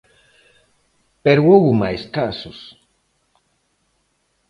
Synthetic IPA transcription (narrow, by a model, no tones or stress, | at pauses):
peɾwowumajskasʊs